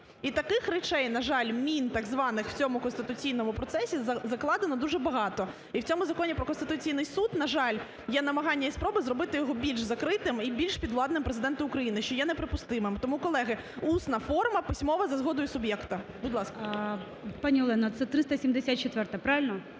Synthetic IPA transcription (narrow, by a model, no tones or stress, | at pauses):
it̪ɐkɪxɾɛt͡ʃɛjnɐʒɑlʲmʲint̪ɑɡzʋɑnɪxw̥t͡sʲɔmʊkɔnst̪ɪt̪ʊt͡sʲijnɔmʊpɾɔt̪sɛsʲizzɐklˠɑd̪enɔd̪uʒɛbɐɦɑt̪ɔ | iwt͡sʲɔmʊzɐkɔnʲipɾɔkɔnst̪ɪ̥t̪ʊt͡sʲijnɪjsud̪nɐʒɑlʲ | jɛnɐmɐɦɑnʲːɐispɾɔbɨzɾɔbɪt̪ɪjɔɦɔbʲilʲʃzɐkɾɪt̪ɪmibʲilʲʃpʲid̪ʋlˠɑd̪nɪmpɾezɪd̪ɛnt̪ʊʊkɾɐjinɪʃt͡ʃɔjanɛpɾɪpʊst̪ɪmɪmt̪ɔmukɔlˠɛɦɪ | usnɐfɔrmɐpɪsʲmɔʋɐzɐzɦɔd̪ɔjʊsʊbjɛkt̪ɐbʊd̪lˠɑskɐ | pɑnʲiɔlˠɛnɐt̪sɛt̪ɾɪst̪ɐsʲimd̪esʲat̪̚t͡ʃɔt̪ʋɛrt̪ɐpɾɑʋʲɪlʲnɐ